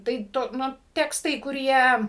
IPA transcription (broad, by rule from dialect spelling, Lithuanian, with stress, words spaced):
tɐɪ ˈtʊ ˈnʊ ˈtʲæːkstɐɪ kʊˈrʲiɛ